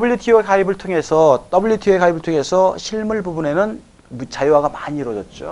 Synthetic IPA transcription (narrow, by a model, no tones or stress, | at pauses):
buʎːjutʰiekʰaibɯɭtʰoŋe̞sʰʌt͈ʌbuɭjutʰiekʰaibɯɭtʰoŋe̞sʰʌɕʰiɭmuɭbubune̞nɯn | mut͡ɕʰajoɦwaɡamaɲiiɾʌd͡ʑʌt̚t͡ɕ͈o̰